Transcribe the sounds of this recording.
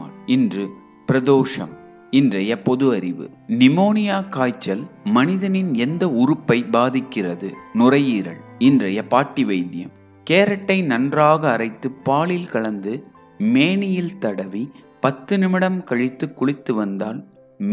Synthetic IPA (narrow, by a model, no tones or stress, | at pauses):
ɪndrɯ | pɪɾɐðoːʂɐ̰m | ɪndrɐjɐpɔðɯɐɾɪʋɯ̰ | nɪmoːnɪjaːkaːjt͡ʃːɐlmɐnɪðɐnɪnɛnd̪ɐʊɾɯpːɐɪbaːðɪkːɪrɐðɯ̰nʊrɐjiːɾɐ̰ɭɪndrɐjɐpaːʈːɪʋɐɪðɪjɐ̰m | keːɾɐʈːɐɪnɐndraːɣɐːrɐɪt̪ːɯpːaːɭɪlkɐɭɐnd̪ɯ | meːnɪjɪlt̪ɐɽɐʋi | pɐt̪ːɯnɪmɪɽɐmkɐɻɪt̪ːɯkːʊɭɪt̪ːɯʋɐnd̪aːl | m